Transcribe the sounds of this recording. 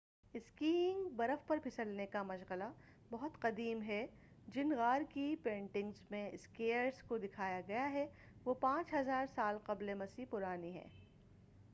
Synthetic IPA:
ɪskiːɪ̃ŋɡbɐɾəfpɐɾpʰɪsəlnekamɐʃɣəla | bɐɦʊt̪qɐd̪iːmɦɛ | d͡ʒɪnɣaːɾkipẽːɳʈɪ̃ŋɡzmẽɪskeːəɾskod̪ɪkʰaːjaɡɐjaɦɛ | ʋoːpãːt͡ʃɦɐzaːɾsaːlqɐblemɐsiːpʊɾaːniɦɛ̰ː

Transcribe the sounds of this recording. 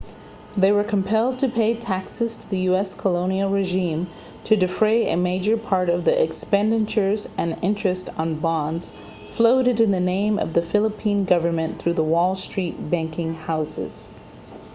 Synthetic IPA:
ðeɪwə˞kʰm̩pʰɛlˠd̚tʰɨpʰeɪtʰæksɨz̥tʰəðɨjʉɛskʰəlõʊ̃nil̩ˠɹɨʒĩm | tʰɨdɨfɹeɪɨ̰meɪd͡ʒə˞pʰɑɹɾʌvðiʔɨkspɛ̃ndɨ̃nt͡ʃə˞zɨ̃nɪ̃nt͡ʃɹ̥ɨstn̩bɑ̃ndz̥ | floʊɾɨɾɨ̃nðɨnẽɪ̃mʔʌ̰vðɨfɪlˠəpʰĩnɡʌvə˞mɨ̃nθɹʉðəwɔlˠstɹ̥it̚b̥æ̃ŋkɪ̃ŋhaʊsɪ̰z̥

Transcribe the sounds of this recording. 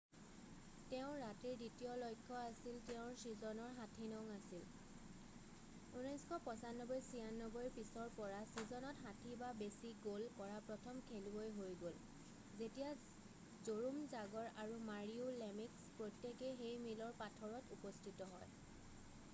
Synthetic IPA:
teʊ̃ɹatiɹditijɔlojkʰːɔasiltɛʊ̃ɹsizɔnɔɹɦatʰinɔŋasil | unɔjskʰɔpɔsanːɔbɔjsianːɔbɔɹipisɔɹpɔɹasizɔnɔtɦatʰibabesiɡolkɔɹapɹɔtʰɔmkʰelibojɦojɡol | zetija | zoɹumzaɡɔɹaɹumaɹiulemikspɹotːekexejmilɔɹpatʰɔɹɔtupɔstʰitɔɦɔj

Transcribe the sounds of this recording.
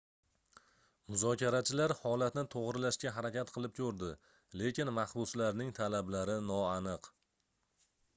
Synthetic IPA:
mʊzɒkʲaɾat͡ʃʰɪlaɾhɒlat̪nɪt̪ʰoʁɾɪlaʃkʲaɦaɾakʲat̪̚qʰɨlˠɪp̚kʲʰɵɾd̪ɪ | le̞kʲɪnmahbʊslaɾnɪŋt̪ʰalablaɾɪnɒanɨq

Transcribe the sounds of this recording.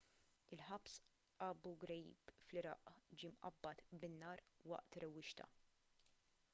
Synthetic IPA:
ɪlħɐps | ʔɐːbuɡɾɛjḭːbflɪɾɐ̰ːʔd͡ʒiːmʔɐ̰bːɐt̪bɪnːɐːɾwɐ̰ʔt̪ɾɛwːɪʃt̪ɐ̰

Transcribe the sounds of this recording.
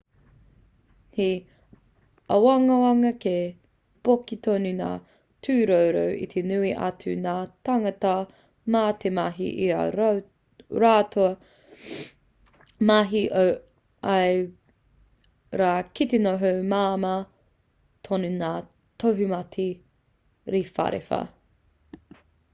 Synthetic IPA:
hi | ɐwɐŋɐɐŋɐke | b̥okit̪ʰonuna̰ː | tʰʉːɾowɾo̰wʔḭt̪ʰenʉiʔɐ̰t͡sʉnaːtɐŋɐtɐ | maːtemɐɦḭʔḭɐ̰ɾ | ɾaːtʰoɐ | maɦiʔo | ɐj | ɾaːkitenoɦowmaːmɐ | t̪ʰonunaː | tʰoɦumɐtʰi | ɾifɐ̰ɾḛfɐ̰

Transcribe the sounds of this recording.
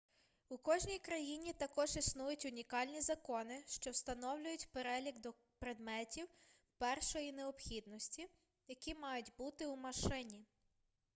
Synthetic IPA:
ukɔʒnʲijkɾɐjinʲit̪ɐkɔʒisnujʊtʲʊnʲikɑlʲnʲizɐkɔnɪʃt͡ʃɔwst̪ɐnɔwlʲʊjʊtʲpeɾɛlʲiɡd̪ɔ | pɾed̪mɛtʲiw | pɛrʃɔjineɔpxʲid̪nɔsʲtʲi | jɐkʲimɑjʊtʲbut̪ɪwmɐʃɪnʲi

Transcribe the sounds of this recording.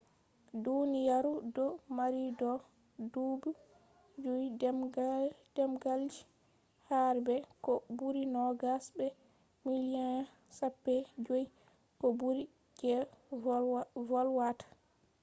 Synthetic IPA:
dunijaɾudɔmaɾidɔ | dubu | d͡ʒoj | dɛmɡald͡ʒi | haɾbɛkɔbuɾinɔɡasbɛ | milian | sapːɛd͡ʒoji | kɔbuɾi | d͡ʒɛ | vɔlwatḁ

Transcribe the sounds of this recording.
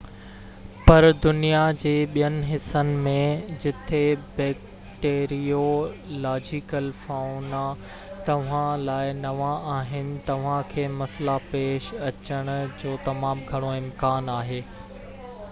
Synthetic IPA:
pɐɾd̪ʊnijad͡ʑeːɓijənɪ̆ɦɪsənɪ̆mẽd͡ʑɪt̪ʰebɛːk | ʈeːɾiolaːd͡ʑikəlfaːʊna | t̪ɐʋ̤ãlaːɪnɐʋaaːɦɪnɪ̆t̪ɐʋ̤ãkʰeːmɐslapeːʃɐt͡ɕəɽ̃ʊ̆d͡ʑoːt̪ɐmãːmɡʱɐɽ̃oɪ̃mkaːnaːɦeː

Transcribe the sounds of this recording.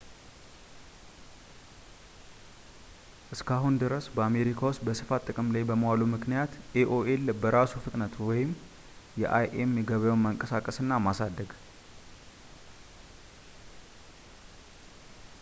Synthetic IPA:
ʔɨskʰaɦund̪ɨɾəsbəame̞ɾikʰawʊst̪bəsɨfat̪ʼːɨkʼɨmlajbəməwalumɨknijat̪eʔoʔelbəɾasufɨt̪ʼnət̪wɔjɪm | jɛʔajʔemjɛɡəβajawnməŋkʼəsakʼəsɨnːamasad̪ːəɡ

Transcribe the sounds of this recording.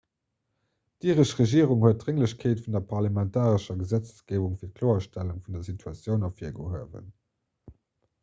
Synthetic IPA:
d̥iːʁəʃʁeʒiəʁuŋhuət̚dʁeŋləɕkʰeːtfundɐpʰɑʁlamɛntʰaːʁəʃɐɡəzæt͡ssɡ̥eːvuŋfiːɐt̚kʰloːɐʃtæluŋfundɐzitʰuɑt͡sjəʊnɑfiɐɡo̰ɦuəvə̰n

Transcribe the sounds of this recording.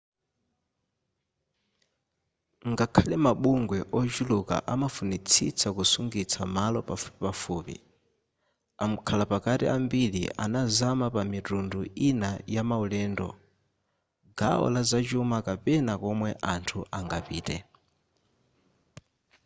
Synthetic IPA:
ŋɡakʰalɛmaɓuŋɡwɛʔɔt͡ʃuluka̰ʔamafunit͡sʰḭt͡sʰakusuŋɡit͡sʰamalɔpafu̥pipafuːpḭ | am̩kʰalapakatḭambiɺḭʔa̰nazamapamitunduinajamaulɛːndɔ̰ | ɡa̰ɔ̰lazat͡ʃumakapɛnakɔmwɛʔantʰuʔaŋɡapḭːtɛ̰

